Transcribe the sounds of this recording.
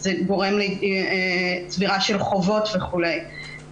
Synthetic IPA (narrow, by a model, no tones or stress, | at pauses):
zeɡo̞ʁe̞mli | t͡sviʁaʃe̞lχo̞vo̞t̪veχule̞j